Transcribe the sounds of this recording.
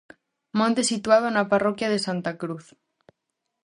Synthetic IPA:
mõnt̪esit̪wað̞onaparokjað̞esant̪akɾuθ

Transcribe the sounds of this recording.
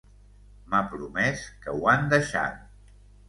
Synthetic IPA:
mapɾumɛskəwand̪əʃa̰t̪̚

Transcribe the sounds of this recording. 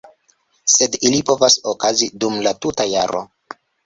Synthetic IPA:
se̞dilipo̞vasokazidumlatutajaɾo̞̰

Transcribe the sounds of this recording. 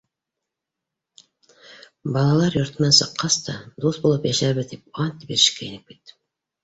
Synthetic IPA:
bɑlˠɑlˠɑɾjɵ̆ɾt̪mænsɤ̆qːɑst̪ɑd̪ust̪bulˠɤpjæʃæβɘðt̪ip̚ɑnt̪biɾɘ̆ʃkæĭnɘp̚ki̥t̪ːɘ̥

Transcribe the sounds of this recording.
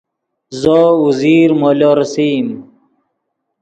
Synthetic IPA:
zɔuziːɾmoːlɔːɾɐsiːm

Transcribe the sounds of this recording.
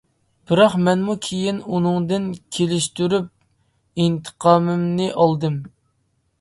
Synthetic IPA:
b̥ɨɾɑqmɛnmukʲʰejinunɨŋd̪ɨnkʲʰelɪʃt̪yɾyp̚ | int̪ʰə̥qʰɑːmɨmnɨʔɑlˠd̪ɨm

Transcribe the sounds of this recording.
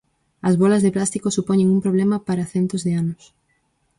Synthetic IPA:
ɐzβolɐzðeplast̪ikosupoɲeŋumpɾoβ̞lemɐpaɾaθent̪ozðeanʊs

